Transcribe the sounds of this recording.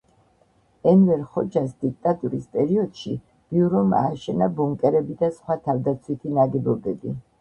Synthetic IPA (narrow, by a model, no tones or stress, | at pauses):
ɛnvɛɾχɔt͡ʃʰasd̪ik̚t̪ʼat̪ʼuɾispʼɛɾiɔd̪̥ʃi | b̥iuɾɔma̰ːʃɛnabɔŋkʼɛɾɛbid̪asχwat̪ʰavd̪at̪sʰwit̪ʰinaɡɛbɔbɛbi